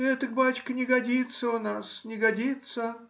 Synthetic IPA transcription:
ɛt̪ək̚bat͡ɕkənʲɪɡɐdʲit̪səʊnasnʲɪɡɐdʲit̪sə

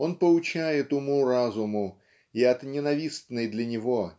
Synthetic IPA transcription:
o̞npəlˠʊt͡ɕæjɪt̪ʊmurazʊmʊ | iɐt̪nʲɪnɐvʲist̪nɨjd̪lʲənʲɪvo̞

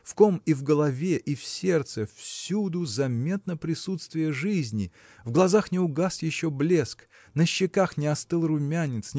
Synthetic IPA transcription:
fkomivɡəlˠɐvʲeʔifsʲe̞rt̪səfsʲud̪ʊzɐmʲet̪nəpɾʲɪsut̪st̪vʲɪjəʐɨzʲnʲɪ | vɡlˠɐzaxnʲɪʊɡasjɪɕːoblʲe̞sk | nəɕːɪkaxnʲɪɐst̪ɨlˠrʊmʲanʲːɪt̪sʲ

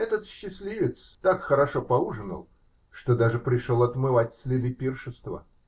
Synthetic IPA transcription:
ɛt̪ət̪ɕːɪsʲlʲivʲɪt̪st̪akxəɾɐʂopɐuʐɨnə̰lˠ | ʂt̪od̪aʐɨpɾʲɪʂolˠɐt̪mɨvatʲsʲlʲɪd̪ɨpʲirʂɨst̪və̰

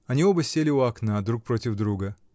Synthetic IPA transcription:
ɐnʲiobəsʲelʲɪʊɐknad̪ɾuk̚pɾo̞tʲɪvd̪ɾuɡə

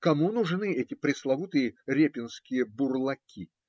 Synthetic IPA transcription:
kɐmunʊʐnɨɛtʲɪpɾʲɪslˠɐvut̪ɨjəɾʲepʲɪnskʲɪjəbʊrlˠɐkʲʰi

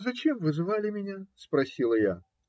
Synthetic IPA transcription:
zɐt͡ɕemvɨzɨvalʲɪmʲɪnʲaspɾɐsʲilˠəja

